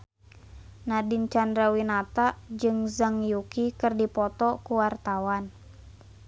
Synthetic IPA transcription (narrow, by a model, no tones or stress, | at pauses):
nadint͡ʃandɾawinat̪ad͡ʒɨŋzaŋjukikɨrdipɔt̪ɔkuwart̪awan